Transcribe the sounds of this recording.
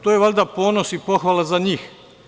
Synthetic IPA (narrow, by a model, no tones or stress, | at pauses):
t̪ojeʋalʲd̪apo̞ːnosipo̞xʋalˠazaɲiːx